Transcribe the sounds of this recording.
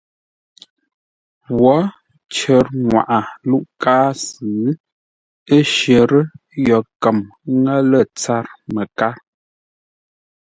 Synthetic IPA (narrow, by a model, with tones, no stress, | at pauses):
wɔ˨˦ | t͡ʃə˨˦ɾŋwa̰˨ʔa˨lu˦ʔkaː˦sɨ˨˦ | ə˦ʃə˨ɾə˦ | jɔ˨kə˨mŋə˦lə˦˨t͡sa˦ɾmə˨ka˦ɾ